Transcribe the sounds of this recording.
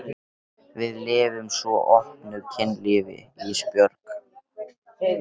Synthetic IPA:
vɪðlɪːvʏmsvɔʔɔhpnʏcʰɪnːlɪːvɪ̰ispjœɾk

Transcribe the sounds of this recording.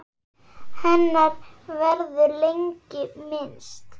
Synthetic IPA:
hɛnːaɾvɛɾðʏlejɲcɪmɪnst̪

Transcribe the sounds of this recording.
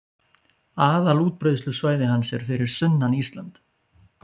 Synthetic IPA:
aːðaluːt̪̚pɾœːjðʏslʏsvaːjðɪhansjɛɾ̥fɪɾɪɾ̥sʏnːanist̪lant̪

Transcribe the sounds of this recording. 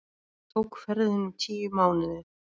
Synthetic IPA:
t̪ʰowkfɛɾðʏnt͡ɕʰiːjʏmaːwnʏðʏ

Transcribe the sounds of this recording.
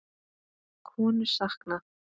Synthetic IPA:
kʰɔːnʏsaχkna

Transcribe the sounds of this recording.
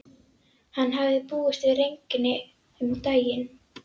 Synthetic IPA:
hanːɦavðɪpuːʏst̪vɪðrejɲcɪnːɪ | ʏmt̪aːjɪn

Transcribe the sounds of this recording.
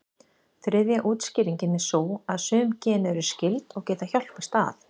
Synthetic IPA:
θɾɪðjaʔuːt̪scɪːɾiɲcɪnɛ̥soːwaðsʏːmcɛːnɛɾʏ̥scɪlt̪ɔɣcɛːt̪açal̥pɛst̪a̰θ

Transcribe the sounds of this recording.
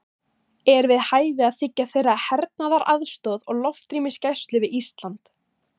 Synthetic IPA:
ɛɾvɪðhaːjvɪaðθɪcːaθejrːahɛɾt̪̚naðaɾʔaðst̪ɔðɔɣlɔft̪ɾiːmɪscajst̪lʏvɪðist̪lant̪

